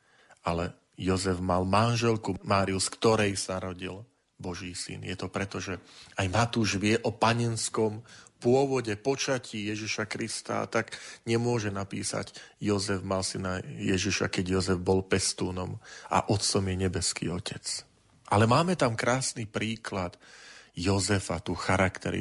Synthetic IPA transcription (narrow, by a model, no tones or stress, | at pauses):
alɛ | jɔzɛvmalmanʒɛlkumaːɾiuskt̪ɔɾɛjsanaɾɔɟil | bɔʒiːsḭnjɛt̪ɔpɾɛt̪ɔʒɛajmat̪uːʒʋɪɛʔɔpaɲɛnskɔmpʊɔʋɔɟɛpɔt͡ʃaciːjɛʒiʃakɾist̪a̰ːt̪aɡɲɛmʊɔʒɛnapḭːsa̰ɟjɔzɛvmalsinajɛʒiʃa̰kɛɟjɔzɛvbɔlpɛst̪uːnɔma̰ʔɔt̪t͡sɔmjɛɲɛbɛskḭːɔcɛt͡s | ʔalɛmaːmɛt̪amkɾaːsnipɾiːklat̪jɔzɛfat̪uːxaɾakt̪ɛɾḭ